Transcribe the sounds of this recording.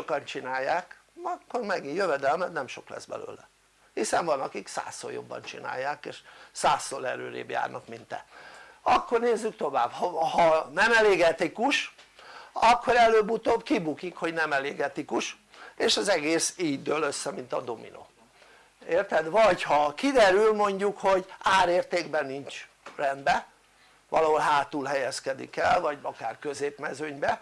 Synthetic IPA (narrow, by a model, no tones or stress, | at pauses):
ʃokɒnt͡ʃinaːjːaːkɒkːo̞rmɛɡinjøvɛd̪ɛlmɛt̪nɛmʃo̞klɛ̰zbɛ̰lø̰ːlɛ | hisɛɱvɒnɒkiksa̰ːsːo̰jo̞̰bːɒ̰nt͡ʃina̰ːjːaːkeːʃsaːsːolɛɾø̰ːɾḛːbja̰ːrnʔɒkmint̪ɛ̰ | ɒkːo̞rneːzːykt̪o̞vaːbhɒhɒnɛmɛleːɡɛt̪ikuʃ | ɒkʰːo̞ɾɛløːbut̪obkibukikho̞ɟnɛmɛleːɡɛt̪ikuʃ | eːʃɒzɛɡeːsiːd̪øːløsːɛmint̪ɒ̰d̪o̞mḭno̰ː | eːrt̪ɛd̪ʋɒchɒkid̪ɛɾylmo̞ɲɟukho̞ɟaːɾeːrt̪eːɡbɛniɲt͡ʃ | rɛnd̪bɛ | ʋɒlɒɦo̞lɦaːt̪ulɦɛjɛskɛd̪ḭkɛlvɒɟɒkaːrkø̞zeːpmɛzøɲbɛ